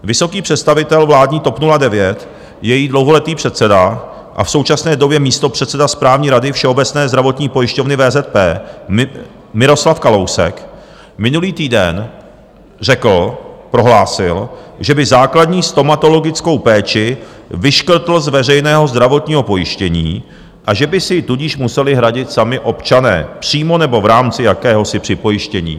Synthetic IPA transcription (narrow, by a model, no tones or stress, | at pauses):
vɪso̞kiːpr̝̥ɛt̪st̪avɪt̪ɛlvlaːdɲiːt̪o̞pnuladɛvjɛt̪ | jɛjiːdlowɦo̞lɛt̪iːpr̥ɛt̪t͡sɛda | ʔa̰fso̞wt͡ʃasnɛːdo̞bjɛmiːst̪o̞pr̝̥ɛt̪sɛdaspɾaːvɲiːɾadɪfʃɛo̞bɛtt͡snɛːzd̪ɾavo̞t̪ɲiːpo̞jɪʃcovnɪvɛːzɛt̪̚pɛː | mɪɾo̞slafkalo̞wsɛ̰k | mɪnuliːt̪iːdɛn | rɛkl̩pɾo̞ɦlaːsɪlʒɛbɪzaːkladɲiːst̪o̞mat̪o̞lo̞ɡɪt͡sko̞wpɛːt͡ʃɪ | vɪʃkr̩t̪l̩zvɛrɛjnɛːɦo̞zd̪ɾavo̞t̪ɲiːɦo̞po̞jɪʃcɛɲḭː | ʔaʒɛbɪsɪt̪uɟiʃmusɛlɪɦɾaɟɪt̪samɪʔo̞pt͡ʃanɛ̰ːpr̝̥iːmo̞nɛbo̞vɾaːmt͡sɪjakɛːɦo̞sɪpr̥ɪpo̞jɪʃcɛɲḭː